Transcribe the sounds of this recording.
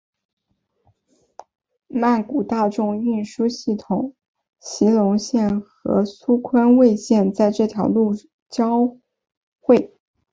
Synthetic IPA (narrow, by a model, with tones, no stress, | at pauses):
ma˥˩nku˨˩t̪a˥˧ʈ͡ʂʊ˥˧ŋy˥˩nʂu˥ɕi˥˩t̪ʰʊ˨˩˦ŋ | ɕi˧˥lʊ˧˥ŋɕjɛ˥˩nxɤ̰˧˥su˥kʰwa˥nwe˥˧ɪɕjɛ˥˧nt͡sa˥˧ɪʈ͡ʂɤ˥˩t̪ʰjɑ˧˥ʊlu˥˩ | t͡ɕjɑ˥ʊ | xwe˥˩ɪ